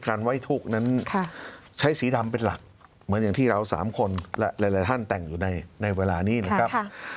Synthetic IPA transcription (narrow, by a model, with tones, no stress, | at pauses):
kaː˧nwa˥˩jt̪ʰuː˥˩k̚na˦˥nʰt͡ɕʰa˦˥jsiː˩˦da˧mpe˧nla̰˨˩k̚ | mɯ˩˦nja˨˩ŋt̪ʰiː˥˩ɾa˧wsa̰ː˩˦mkʰo˧nlɛ˦˥ʔɾa˧˦jla˨˦jt̪ʰa˥˩nt̪ɛ˨˩ŋjuː˨˩na˧jna˧jweː˧laː˧niː˦˥˩nka˥kʰɾa˦˥k